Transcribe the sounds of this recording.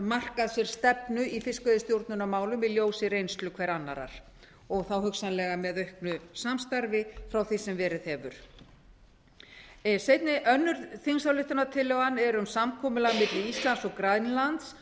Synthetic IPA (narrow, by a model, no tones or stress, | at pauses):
mar̥kaðsjɛɾ̥st̪ɛpnʏifɪskœðɪst̪jowɾt̪̚nʏnamaːwlʏmɪðljoːwsɪrejnst̪lʏkʰvɛɾanːa̰ɾa̰ɾ̥ | ɔɣθawɦʏksanlɛɣamɛðœɥhknʏsamst̪aɾvɪfɾawθisɛmvɛːɾɪθɛvʏ̰ɾ̥ | sejt̪̚nɪʔœnːʏɾθinsawlɪht̪anat̪ʰɪlːɛɣanːɛɾʏmsamkʰɔːmʏlaɣmɪt̪lɪist̪lansɔɣkɾaðnlant̪s